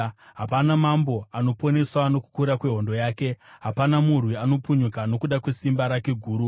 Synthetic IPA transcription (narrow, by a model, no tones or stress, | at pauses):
ɦapanamambo̞ano̞po̞ne̞swano̞ku̥kuɾakwe̞ɦo̞ndo̞jaːke̞ɦapanamurwiano̞puɲukano̞kuɗakwe̞simbaɾake̞ɡʱuːɾu